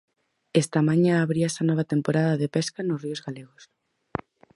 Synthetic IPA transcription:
ɛst̪amaɲãːβɾiaesɐnɔβ̞at̪empoɾaðaðepeskanʊsriozɣaleɣos

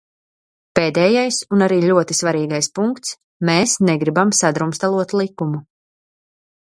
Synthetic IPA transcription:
peːd̪ɛːjajsunaɾiːʎʲuɔt̪isvaɾiːɡajspuŋkt̪s | mɛːsnɛɡɾibamsad̪ɾumst̪alˠuɔt̪lˠikumu

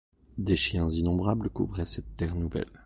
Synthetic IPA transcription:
d̪eʃjɛ̃zinɔ̃bʁabləkuvʁɛsɛt̪ːɛʁnuvɛ̰l

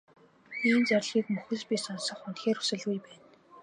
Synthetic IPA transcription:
iːnt͡særʲɮɣiːkmɵxɘ̆ɮpʲiːsɔnsɞ̆χʊnt̪xeːɾu̥sɘ̆ɮɣujpæːn

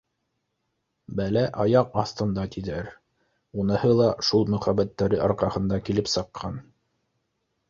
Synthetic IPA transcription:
bælæʔɑjɑqɑθt̪ɤ̆nd̪ɑt̪iðæɾ | unɤ̆hɤlˠɑʃulˠmɵ̆χæbæt̪ːæɾɘʔɑɾqɑhɤ̆nd̪ɑkilɘpsɤ̆qʰːɑn

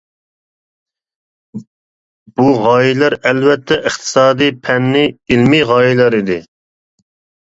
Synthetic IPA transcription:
b̥uʁɑːjilˠæɾɛlvɛt̪ʰːɛʔɨχt̪ʰɨ̥sɑːd̪ijpʰɛnːɪilmiʁɑːjilˠɑɾid̪ɪ

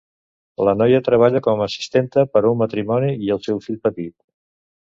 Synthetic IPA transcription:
lənɔjət̪ɾəβ̞aʎəkɔmːsi̥st̪ent̪əpəɾuŋmət̪ɾimɔniiəlˠsɛwfiʎpət̪it̪̚

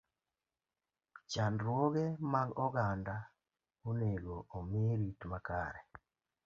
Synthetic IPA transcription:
t͡ʃandɾwoɣemaɡɔɡanda | uneɡoomeɾitmaka̰ɾɛ

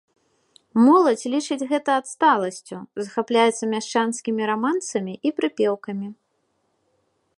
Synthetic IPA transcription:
mɔlˠɐt͡sʲlʲit͡ʂɨd͡zʲɣɛt̪ɐat̪st̪alˠɐsʲt͡sʲuzɐxaplʲajɛt̪sɐmʲaʂt͡ʂanskʲimʲiɾamant̪sɐmʲiʔipɾɨpʲɛwkɐmʲi

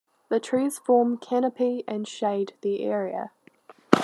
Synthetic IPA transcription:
ðətʰɹ̥iːz̥fɔːmkʰænəpʰiə̃nʃeɪd̪̚ðiɛ̰ːɹiə̰

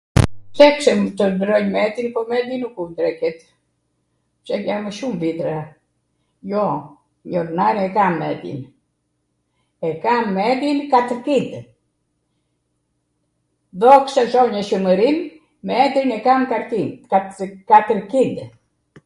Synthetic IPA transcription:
t̪ɛksɛmt̪əd̪ɾɔɲmɛt̪inpɔmɛd̪inukud̪ɾɛkɛt̪ | t͡ʃaaməʃumvit̪ɾa | jɔ | ɲɔɾnaɾɛkamːɛd̪ḭn | ɛkamːɛd̪inkat̪əɾkind̪ | ðɔksɛʃɔɲəʃəməɾin | mɛd̪ɾinɛkamkaɾiakat̪əɾkid̪

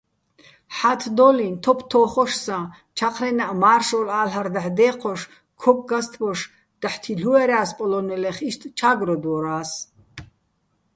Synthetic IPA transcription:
ħat̪ʰd̪ɔlint̪ʰɔpʰt̪ʰɔːχɔʃsã | t͡ʃʰaqʰɾɛnaʔmaːrʃɔlaːlɦaɾd̪aħd̪ɛːqʰɔʃ | kʰɔkʼɡast̪ʰbɔʃ | d̪̥aħt̪ʰiɬuɛɾaːspʼɔlɔnɛlɛχiʃt̪ʰʼt͡ʃʰaɡɾɔd̪wɔɾaːs

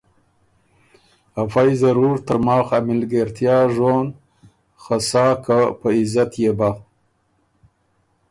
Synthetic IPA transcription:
hafajzaɾuɾt̪əɾmɑːxamɪlɡeɾt̪jɑːʒon | xasɑːkapəɪzat̪jeba

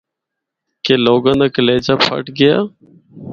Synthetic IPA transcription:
keːloːɡãːnd̪aːkəleːd͡ʒaːpʰə̰ʈɡɪja̰ː

